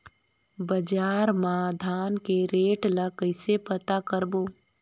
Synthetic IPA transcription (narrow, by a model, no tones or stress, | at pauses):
bəd͡ʒaːɾmad̪ʱaːnkeɾeːʈlakəɪsepət̪akəɾbo